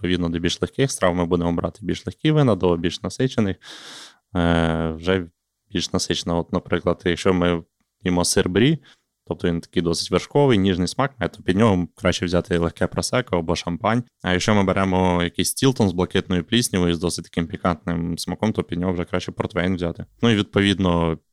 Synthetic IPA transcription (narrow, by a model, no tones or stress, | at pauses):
it̪pɔʋʲid̪nɔd̪ɔbʲilʲʃlˠexkɪxst̪ɾɑwmɪbud̪emɔbɾʔɑ̰t̪ɪbʲilʲʃlˠexʲkʲiʋɪnɐd̪ɔbʲilʲʃnɐsɪt͡ʃenɪx | wʒɛ | bʲilʲʃnɐsɪt͡ʃenɐɔt̪nɐpɾɪklˠɐd̪jɐkʃt͡ʃɔmɪ | jimɔsɪrbɾʲi | t̪ɔp̚t̪ɔʋʲint̪ɐ̥kijd̪ɔsɪ̥tʲʋerʃkɔʋɪjnʲiʒnɪjsmɑkmɐɛt̪ɔ̥pʲid̪ʲnʲɔɦɔkɾɑʃʲt͡ʃɛwzʲat̪ɪlˠexkɛpɾɐsɛkɔɐbɔʃɐmpɑnʲ | ɐjɐkʃt͡ʃɔmɪbeɾʔɛmɔjɐkijsʲtʲilt̪ɔnzblˠɐkɪt̪nɔjʊplʲisʲnʲiʋɔjuzd̪ɔsɪ̥t̚ʲt̪ɐ̥kɪmpʲikɑnt̪nɪmsmɐkɔmt̪ɔpʲid̪̚ʲnʲɔɦɔwʐɛkɾɑʃʲt͡ʃɛpɔrt̪fɛjnʋzʲat̪ɪnuiʋʲid̪̚pɔʋʲid̪nɔ